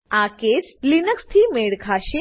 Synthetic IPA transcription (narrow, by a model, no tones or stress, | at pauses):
aːket͡slinəkst̪ʰiːmeːɽkʰaʃi